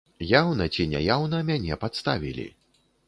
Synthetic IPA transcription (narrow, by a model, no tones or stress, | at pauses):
jawnɐt͡sʲinʲa̰jawnɐmʲanʲɛpat̪st̪avʲḭlʲḭ